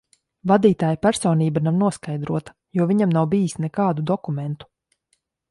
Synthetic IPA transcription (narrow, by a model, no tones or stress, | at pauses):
vad̪iːt̪aːjpæɾsɔːniːbanamnuɔskajd̪ɾuɔt̪ḁ | juɔvʲiɲamnawbijisnɛkaːd̪ud̪ɔkumɛnt̪u̥